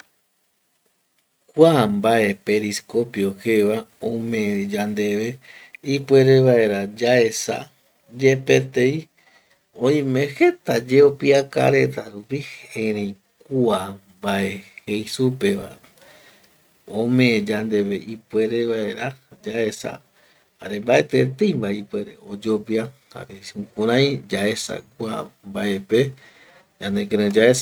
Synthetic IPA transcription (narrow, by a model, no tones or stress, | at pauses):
kwambae̞pe̞ɾisko̞pjo̞xeʋaõmẽd͡ʒand̪eʋeipwe̞ɾe̞βae̞ɾad͡ʒaesa̰ | d͡ʒe̞pet̪ei | õj̃mẽxe̞t̪ad͡ʒeopiaka̰ɾe̞t̪aɾupiheɾẽ | kuambaehejsupeβa̰ | õmẽd͡ʒand̪e̞βeipwe̞ɾeβaeɾad͡ʒaesa̰ | ha̰ɾe̞mbae̞t̪et̪eijmbaipwe̞ɾeod͡ʒo̞pia | ha̰ɾeukũɾ̃ãj̃d͡ʒae̞sa̰kua̰mbae̞pe | d͡ʒãnd̪ekeɾẽd͡ʒaesa